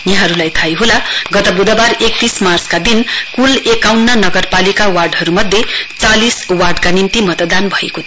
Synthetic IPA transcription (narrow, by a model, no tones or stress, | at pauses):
jaɦʌɾulajt̪ʰajɦolaɡʌt̪ʌbud̪ʌbarek̚t̪ismart͡skad̪inkulekawnːʌnʌɡʌrpalikawarɖɦʌɾumʌd̪ʱjet͡saliswarɖkanimt̪imʌt̪ʌd̪anbʱʌeko